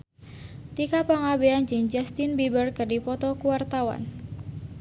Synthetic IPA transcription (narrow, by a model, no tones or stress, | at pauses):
t̪ikapaŋabeand͡ʒɨŋd͡ʒast̪inbibərkərdipɔt̪ɔkuwart̪awa̰n